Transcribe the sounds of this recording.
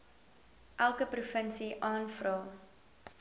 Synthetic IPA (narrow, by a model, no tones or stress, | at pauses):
ʔælˠkəprufənsiʔɑːnfrɑː